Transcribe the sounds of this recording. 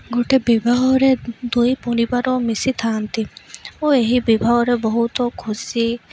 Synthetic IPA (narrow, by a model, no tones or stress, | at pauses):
ɡoʈebibʱaɦɔɾed̪ujpunibaɾɔmisit̪ʰaːnt̪iueɦibibʱaɦɔɾebɔɦut̪ɔkʰusi